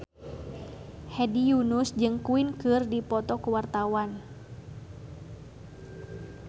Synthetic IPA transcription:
hɛdijunusd͡ʒɨŋkuinkɨrdipɔt̪ɔkuwart̪awan

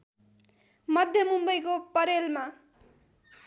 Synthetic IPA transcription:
mʌd̪ʱjʌmumbʌjkopʌɾelma

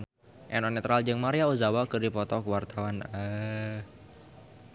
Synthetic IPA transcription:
ʔɛnɔnɛt̪ɾald͡ʒɨŋmaɾiauzawakɨrdipɔt̪ɔkəwart̪awanə

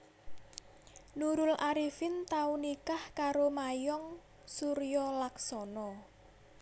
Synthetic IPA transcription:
nuɾʊlʔaɾifɪnt̪aunikahkaɾomajɔŋ | suɾijɔlaksɔnɔ

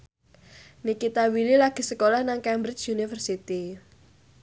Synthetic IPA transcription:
nikit̪awililaɡ̥i̤səkolahnaŋkɛmbɾɪt͡ʃunifərsit̪i

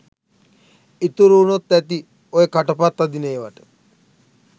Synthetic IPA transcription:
it̪uɾuːnot̪ːæt̪i | ojekaʈɐpat̪ːad̪ineːʋaʈə̥

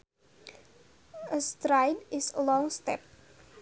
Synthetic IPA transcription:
əstɾajnɪsəlɔ̃ŋstɛp̚

